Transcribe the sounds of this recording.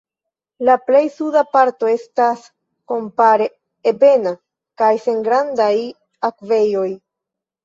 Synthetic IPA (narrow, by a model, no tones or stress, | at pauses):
laple̞jsudapaɾto̞e̞stas | ko̞mpaɾe | ebe̞na | kajse̞ŋɡɾandaj | akve̞jo̞j